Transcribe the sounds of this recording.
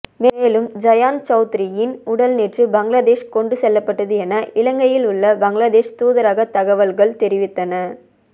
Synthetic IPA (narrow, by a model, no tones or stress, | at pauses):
meːlɯmd͡ʒɐjaːnt͡ʃɐʊt̪ɪɾɪjɪnʊɽɐlneːʈrɯbɐŋɡlaːðeːʂkɔɳɖɯsɛlːɐpːɐʈːɐðɯɛnɐʔɪlɐŋɡɐjɪlʊɭːɐbɐŋɡlaːðeːʂt̪uːðɐɾaːɣɐt̪ɐɣɐʋɐlɣɐɭt̪ɛɾɪʋɪt̪ːɐnɐ